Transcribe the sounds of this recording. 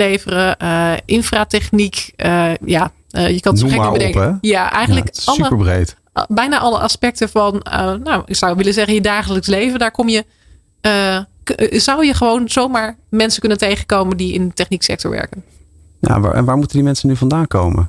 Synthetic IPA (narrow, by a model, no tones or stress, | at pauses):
ejvərəəʔɪnfraːtɛχnikəja | jəkɑnɛkbədɛŋkɛjaʔɛ̰jχəndləkɑləpəɹbrejt | bɛjnaʔɑlə̰ʔɑ̰spɛk̚təvɑnə̰ːawɪ̰ksʌwʋɪləzɛχənjədaːχələkslejvəndaːɹkɔmjə | ə | zʌwjəχəʋownz̥owmaːɹmɛnsəkɵnəntejχənkowməndiɪ̰ntɛχniksɛ̰k̚tɔ̰ɹʋɛ̰ɹkən | ja̰a̰ɛ̰nʋaːɹmutəndimɛnsənyvɑndaːŋkowmə̰n